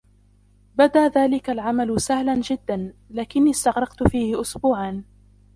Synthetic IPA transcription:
bad̪aːðaːlɪkalʕamalʊsahland͡ʒɪd̪ːanlaːkɪnːiːst̪ɑɣɾˤɑqt̪ʊfiːhɪʔʊsbuːʕan

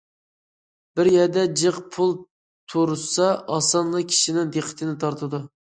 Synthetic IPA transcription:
b̥ɪɾjɛd̪ɛd͡ʒɨqpʰulˠ | t̪ʰuɾɨsɑʔɑsɑnlˠɑkʲʰi̥ʃinɪŋd̪eqʰːə̥t̪ʰɪnɪt̪ʰɑɾt̪ʰɨd̪u

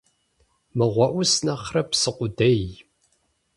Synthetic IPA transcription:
mɨʁʷɔʔʷʊsnɐχrɐpsɨqʷʊdej

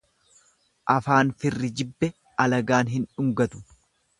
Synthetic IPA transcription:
ʔɐfaːnfɪrːɪd͡ʒɪbːɛ | ɐlɐɡaːnɦɪnᶑʊŋɡɐt̪ʊ̥

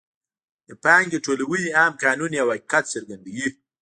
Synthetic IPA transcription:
d̪əpaːŋɡd̪eʈolawujiaːmkɑːnuniawakikat̪səɾɡand̪aɡi

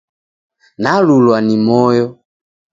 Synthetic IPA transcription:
nalulwanimɔjɔ

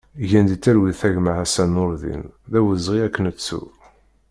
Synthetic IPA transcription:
ʝænd̪it͡sːæɾwiθæʝməʕæsænːʊɾðḭnðæwəzʁiækːənət͡sːṵ

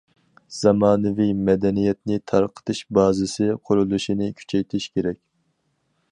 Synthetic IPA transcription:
z̥ɑmɑːnɨvijmɛd̪ɛnijɛt̪̚nɪt̪ʰɑɾqʰə̥t̪ʰɨʃbɑːzɪsɪqʰʊɾulˠuʃinɪkʲʰy̥t͡ʃʰɛjt̪ʰɪʃkʲʰeɾɛk̚ʲ

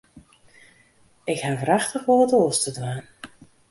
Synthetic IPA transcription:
ɪkhanvəɾaxtəxʋoːtoːstədwaːn

